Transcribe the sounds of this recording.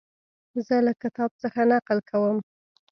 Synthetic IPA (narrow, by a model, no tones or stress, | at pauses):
zəlakɪt̪ɑb̚t͡səxanaqlkʰawəm